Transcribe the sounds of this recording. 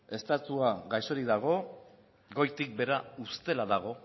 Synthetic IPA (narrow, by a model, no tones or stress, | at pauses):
e̞st̪at̪uaɣajso̞ɾiðaɣ̞o̞ | ɡo̞jt̪ik̚be̞ɾaust̪e̞laðaɣ̞o̞